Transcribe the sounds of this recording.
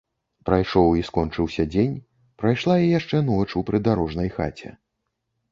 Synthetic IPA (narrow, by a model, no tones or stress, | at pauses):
pɾajʂɔwiskɔnt͡ʂɨwsʲɐd͡zʲenʲ | pɾajʂlˠajɛjaʂt͡ʂɛnɔt͡ʂupɾɨd̪aɾɔʐnɐjxa̰t͡sʲɛ̰